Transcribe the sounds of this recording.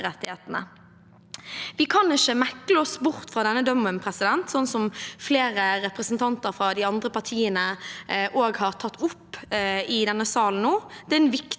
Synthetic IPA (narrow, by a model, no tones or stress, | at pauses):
ʁɛt̪ːɪheːt̪nə̰ | ʋɪkʰɑnɪʃəmækləɔsbʊʁt̪fɾɑd̪ɛnːəd̪œmənpʰɾɛsɪd̪ɛnt̪sɔnːsɔmfleːɾəɾɛpɾəsnt̪ʰɑnt̪əɾfɾɑd̪ɪɑnd̪ʁəpɑʁt̪ʰiːənəʔoːɡhɑʁt̪ʰɑt̪ːʊpːɪd̪ɛnːəsɑːln̩noːd̪̥ɛɛnʋɪk